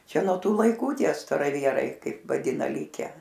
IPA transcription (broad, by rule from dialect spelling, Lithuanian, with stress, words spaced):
ˈt͡ʃʲɛ nuɔ ˈtuː lˠɐɪˈkuː ˈtʲiɛ stɐrɐˈʋʲiɛrɐɪ ˈkɐɪp ʋɐˈdʲɪnɐ ˈlʲɪkʲɛ